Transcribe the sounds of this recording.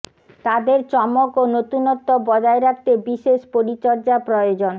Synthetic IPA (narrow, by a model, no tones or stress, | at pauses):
t̪ad̪eɾt͡ɕɔmokonot̪unɔt̪ːobɔd͡ʑaeɾak̚ʰt̪ebiʃeʃpoɾit͡ɕɔɾd͡ʑapɾojod͡ʑon